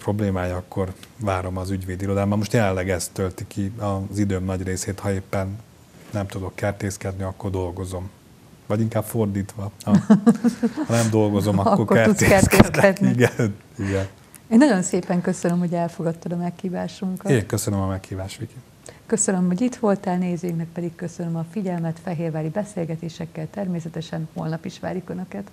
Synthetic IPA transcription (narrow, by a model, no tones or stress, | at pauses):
pro̞bleːmaːjɒkːo̞rvaːɾo̞mɒzyɟʋeːd̪iɾo̞d̪aːbɒmmo̞ʃt̪jɛlɛnlːɛɡɛst̪ːølt̪ikiɒzid̪øːmnɒɟreːseːt̪hɒeːpːɛnː | ɛmt̪ud̪o̞kːɛrt̪eːskɛd̪niɒkːo̞rd̪o̞lɡo̞zo̞m | vɒɟiŋkaːpfo̞rd̪iːt̪ʋɒɒ | hɒnɛmd̪o̞lɡo̞zo̞mɒkːorkoɛut̪ekɛt̪kɛstkɛd̪niiɡɛn | iɡɛn | eːnːɒɟo̞nseːpɛŋkø̞sønømho̞ɟɛlfo̞ɡɒt̪ːɒd̪ɒmɛkhiːvaːʃuŋkɒetːŋkø̞sønømɒmɛkhiːvaːʃʋiki | kø̞sønø̞mɦoɟit̪ʋo̞lt̪aːlneːzøːiŋknɛk̚pɛd̪ikkø̞sønømɒfiɟɛlmɛt̪fɛɦeːrvaːɾibɛseːlɡɛt̪eːʃɛkːɛlt̪ɛrmeːsɛt̪ɛʃɛnho̞lnɒpiʃʋa̰ːɾjukønøkɛt̪